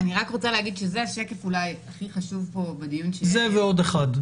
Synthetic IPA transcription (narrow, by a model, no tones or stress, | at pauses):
aniʁakʁot͡saleaɡidʃe̞zeaʃe̞ke̞fulajaχiχaʃuvpo̞bedijunʃezeveo̞deχad